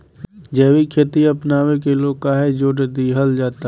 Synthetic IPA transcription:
d͡ʒɛːwikʰet̪iɐpnaːʋẽkeloːkaːɦed͡ʒoːʈd̪iɦəld͡ʒaːt̪a

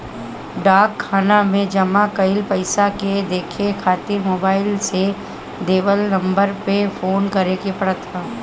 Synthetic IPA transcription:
ɖaːkʰːaːnamẽd͡ʒɐmakɐɪlpɐɪsaked̪eːkʰekʰaːt̪iɾmoːbaːɪlse | ɖeːbəlnɐ̃mbəɾpefoːnkɐɾekepɽət̪ʰaː

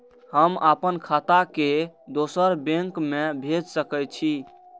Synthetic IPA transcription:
həmapənkʰat̪aked̪osəɾbẽŋkmebʱed͡ʒsəkəj̚t͡ʃʰi

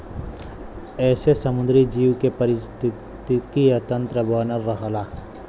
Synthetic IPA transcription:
ɛːsesɐmʊ̃nd̪ɾid͡ʒiːwkepɐɾɪst̪ | t̪ɪkijat̪ə̃nt̪ɾəbaːnəɾːɐɦlaː

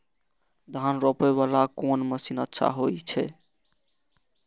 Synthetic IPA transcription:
d̪ʱanɾɔpeβalakonməsinətːʃʰa̰ɦojt͡ʃʰɛ

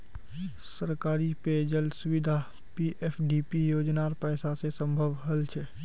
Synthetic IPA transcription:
səɾkaːɾiped͡ʒəlsʊwɪd̪ʱa | piʔeːfʰɖiːpijoːd͡ʒnaːɾpɛːsasesə̃mbʱəʋɦəlt͡ʃʰɛ

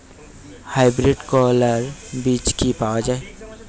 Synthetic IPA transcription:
haːɪbɾɪɖkɔːləɾbiːt͡ʃkipaːwad͡ʒaːe

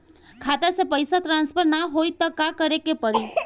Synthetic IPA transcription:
kʰat̪əɾsepəjsat̪ɾanspʰəɾnaɦojt̪ɔkakəɾekepəɽi

